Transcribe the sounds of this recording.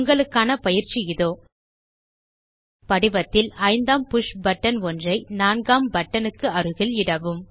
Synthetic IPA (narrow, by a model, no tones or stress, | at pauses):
ŋɡɐɭɯkːaːnɐpɐjɪɾt͡ʃːiɪðoː | pɐɽɪbɐt̪ːɪlɐɪnd̪aːmpʊʂbɐʈːɐnɔndrɐɪnaːnɡaːmbɐʈːɐnɯkːɯɐrɯɣɪlɪɽɐʋɯm